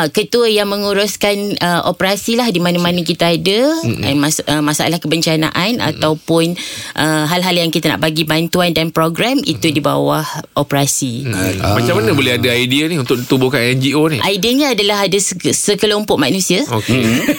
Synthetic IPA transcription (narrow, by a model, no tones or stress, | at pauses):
kət̪uəjaŋməŋuɾʊskanəʔo̰pəɾasilahdimanamanək̬it̪aadə̰masəmasaa̰lahkəbəɲt͡ʃana̰ʔana̰t̪awpʊnʔəɦalɦaljaŋkit̪əna̰ʔbaɡibant̪uandanpɾoɡɾamit̪udiba̰wahʔopɾasimat͡ʃamanəbolɛɦadaajdianiunt̪ʊk̚dit̪ubʊkanɛnd͡ʒioniʔajdiəɲaadalaɦadassəkəlompɔʔmanũsiaoke